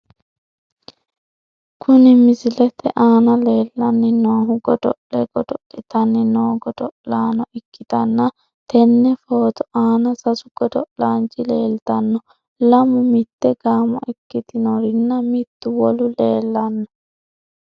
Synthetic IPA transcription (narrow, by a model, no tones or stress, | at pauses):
kʰʊnɪmɪsɪlɛt̪ɛʔaːnɐleːlːɐnːɪnoːɦʊɡɔd̪ɔʔlɛɡɔd̪ɔʔɪt̪ɐnːɪnoːɡɔd̪ɔʔlaːnɔʔɪkːɪt̪ɐnːɐ | t̪ʰɛnːɛfoːt̪ɔaːnɐsɐsʊɡ̥ɔd̪ɔʔlaːnt͡ʃɪle̞ːlt̪ɐnːɔ | lɐmʊmɪt̪ːɛɡaːmɔ̰ʔɪkːɪt̪ɪnɔɾɪnːɐmɪt̪ːʊwɔlʊleːlːɐnːɔ